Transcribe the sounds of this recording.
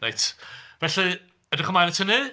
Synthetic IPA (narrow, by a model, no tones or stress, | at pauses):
nejtvɛɬi | ɛdəχəmajnətʰəni